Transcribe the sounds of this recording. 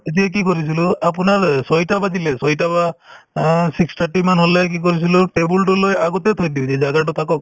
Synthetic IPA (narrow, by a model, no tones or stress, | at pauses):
et̬ijak̬ikoɹis̬ilʊap̬ʊnaɹsojtabazilɛsojtaba | sikst̪ʰaɹʈimanɦolɛk̬ik̬oɹis̬ilʊʈebulʈʊlojaɡɔtɛt̪ʰojdiʊzɛzaɡat̬ʊt̪ʰakɔk̚